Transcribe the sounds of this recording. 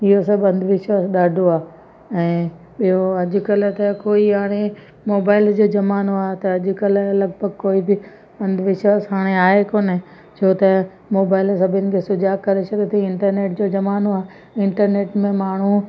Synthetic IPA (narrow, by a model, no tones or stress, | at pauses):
ɪɦosɐbʱɐ̃nd̪ʱʋɪʃʋaːsɗaːɖʱoaː | ɛ̃ː | ɓijoɐʄʊ̆kɐlt̪ɐkoːiɦaːɽ̃e | moːbaːɪld͡ʑoːd͡ʑɐmaːnoaːɦt̪ɐɐʄʊkɐllɐɡbʱəɡ̚koːibɪ | ɐ̃nd̪ʋɪʃaːsɦaːɽ̃eaːɦekoːnɦ | t͡ɕʰoːt̪ɐ | moːbaːɪlsɐbʱənɪ̆kʰeːsʊd͡ʑaːkɐɾesɐɠet̪ʰiɪ̃ɳʈəɾneːʈd͡ʑoːd͡ʑɐmaːnoaː | ɪ̃ɳʈəɾneːʈmẽmaːɳ̤u